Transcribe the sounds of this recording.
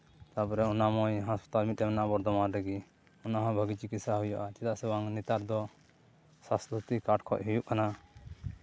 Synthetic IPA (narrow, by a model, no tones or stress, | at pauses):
t̪apɔɾɛɔnamɔjɦaspḁt̪almit̪̚ɛmɛnaʔbɔɾd̪ɔmaɾɾɛɡi | ɔnaɦãbʱəɡit͡ʃikit̪saɦujaʔat͡ʃɛt̪aʔsɛwaŋnit̪aɾd̪ɔ | sast̪ɾut̪ikaʈkʰɔʔ̚ɦujuʔkana